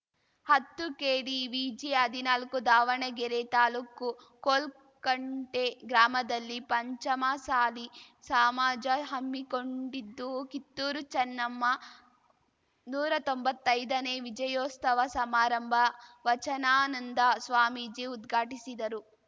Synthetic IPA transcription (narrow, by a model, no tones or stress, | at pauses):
hɐt̪ːukeːɽiʋid͡ʒiɦɐd̪ʱinaːlkud̪aːʋɐɳɐɡɛɾet̪aːluːkːu | koːl | kɐɳʈeɡɾaːmɐd̪ɐlːipɐɲt͡ʃɐmɐsaːlisaːmaːd͡ʒɐɦɐmːikoɳɖid̪ːukit̪ːuːɾut͡ʃɐnːɐmːɐ | nuːɾɐt̪o̞mbɐt̪ːɐjd̪ɐneːʋid͡ʒɐjoːst̪ɐʋɐsɐmaːɾɐmbʱɐʋɐt͡ʃɐnaːnɐnd̪ɐsʋaːmid͡ʒiud̪ɡʱaːʈisid̪ɐɾu